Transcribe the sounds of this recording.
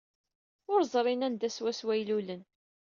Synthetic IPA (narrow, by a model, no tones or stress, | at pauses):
ʊɾzˤɾˤinænd̪æswæswæjlulən